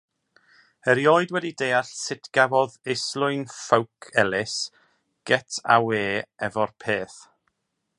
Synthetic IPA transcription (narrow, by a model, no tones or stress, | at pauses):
əɾjɔɨdwɛdidejaɬsɪtʰɡ̥avɔðɪslˠʊjnfəwkʰɛlɪs | ɡ̥ɛtʰa̰weːɛvɔrpʰeːθ